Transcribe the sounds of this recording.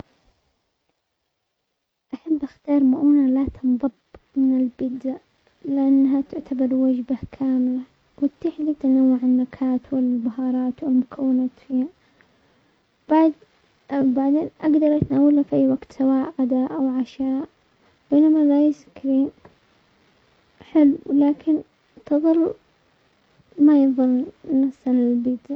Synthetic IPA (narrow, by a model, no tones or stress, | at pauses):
ʔaħabːʔaxt̪ɑːɾˤmaʔuːnalat̪ʰɨnðˤɑbmɪnɪlbɪd̪a | lɪʔanːaɦat̪ʊʕt̪abɑɾˤwad͡ʒbakʰaːmɪla | wɪt̪ːɪħlit̪anawːaʕɪnːakʰaːt̪wɪllbahɑːɾˤɑːt̪wɪlmʊkʰawːɪnaːt̪fiːha | b̥aʕd̪ | baʕd̪eːnʔaɡd̪ɑɾˤʔat̪naːwalafʔajːwaɡt̪sawaːʔɣad̪aʔawʕaʃaːʔ | b̥eːnamalajɪskɾiːn | ħɪlːlaːkʰɪn | t̪ɨðˤɨlː | majɨðˤɑlnafsalɪlbiːd̪a